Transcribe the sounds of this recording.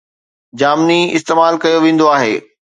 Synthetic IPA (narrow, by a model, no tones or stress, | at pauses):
d͡ʑaːmniɪ̰st̪eːmaːlkɐjoʋẽːnd̪oaːɦḛː